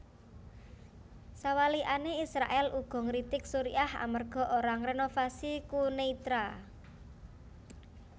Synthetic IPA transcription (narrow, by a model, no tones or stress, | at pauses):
sawaliʔaneisɾaʔɛlʔuɡ̥ɔ̤ŋɾit̪ɪk̚suɾiaha̰mərɡ̥ɔ̤ʔoɾaŋrenofasikuneit̪ɾa